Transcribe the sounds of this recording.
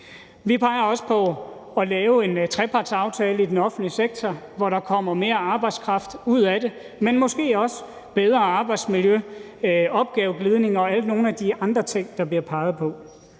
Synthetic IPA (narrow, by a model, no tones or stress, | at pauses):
ʋipʰɑ̈ɪɐɒ̽sə̥pʰɒ̽ | ɒlɛːʊe̝nt͡sʰʁɛpʰɑ̈d̥sɑ̈ʊt͡sʰɛːləid̥enɒ̽fn̩dliseɡ̥̚t͡sʰɒ | ʋɒɾɑ̈kʰɒ̽m̰ɐme̝ːɐɑ̈ːb̥ɑ̈ɪd̥skʰʁɑ̈fd̥uð̞̰ˠæɾe̝ | menmɒ̽sɡ̥e̝̰ːɒ̽s | b̥eð̞ˠʁɐɑ̈ːb̥ɑ̈ɪd̥smiljø | ɒ̽b̥ɡ̥ɛːʊɡ̥liːð̞ˠne̝ŋɒ̽æl̰d̥no̝ːn̩æd̥iɑ̈nd̥ʁɐt͡sʰeŋ̰d̥ɑ̈b̥liɐpʰɑ̈ɪð̞̩ˠpʰɒ̽